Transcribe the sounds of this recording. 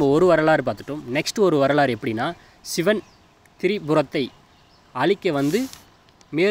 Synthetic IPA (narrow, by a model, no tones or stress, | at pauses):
bɐɔɾɯʋɐɾɐɭaːɾpaːɾt̪ɯ̥ʈːɯmnɛksʈɯɔɾɯʋɐɾɐɭaːɾɛpːɐɽinːaː | sɪʋɐn | t̪ɪɾɪbʊɾɐt̪ːɐɪ | ɐɭɪkːɐʋɐnd̪ɯ | meː